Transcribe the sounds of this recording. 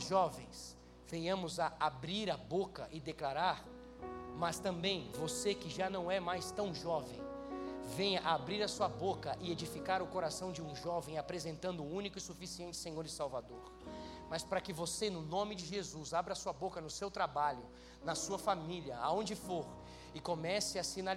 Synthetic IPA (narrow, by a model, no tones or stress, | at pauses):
ʒɔvḛ̃j̃s | v̥ẽjɐ̃mʊzaabɾiɾɐbokɐʔɪd̪eklaɾaɾ | mɐst̪ɐ̃mbẽj̃vosekɪʒanɐ̃w̃ɛmajst̪ɐ̃w̃ʒɔvẽj̃vẽjɐʔaabɾiɾɐsuɐbokɐʔɪed͡ʒifikaɾʊkoɾasɐ̃w̃d͡ʒɪũʒɔvẽj̃apɾezẽnt̪ɐ̃nd̪ʊːũnikʊɪsufisiẽnt͡ʃɪ̥sẽɲoɾɪsawvad̪oɾmɐspɾɐkɪvosenʊnõmɪd͡ʒɪʒezuzabɾɐasuɐbokɐnʊsewt̪ɾabaʎʊ | nɐsuɐfamiliɐa̰õnd͡ʒɪfoɾ | ɪkomɛsɪɐsina